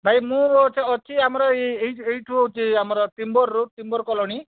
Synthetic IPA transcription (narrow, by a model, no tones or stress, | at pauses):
bʱajmũɾɔt͡ʃʰeɔt͡ʃʰiamɔɾɔeeɦieiʈʰuut͡ʃʰiamɔɾɔt̪imbɔɾːut̪imbɔɾkɔlɔɽ̃i